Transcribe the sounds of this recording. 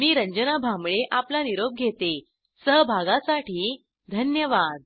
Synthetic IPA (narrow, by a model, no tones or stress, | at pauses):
miːɾəɲd͡ʑənabʱamɭeʔaplaniɾob̚ɡʱet̪e | səɦbʱaɡasaʈiː | d̪ʱənjəʋad̪